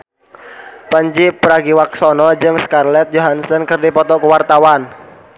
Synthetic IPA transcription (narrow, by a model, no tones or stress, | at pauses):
pəɲd͡ʒipɾaɡiwak̚sɔnɔd͡ʒɨŋskarlɛt̪̚d͡ʒoɦansənkɨrdipɔt̪ɔkuwart̪awan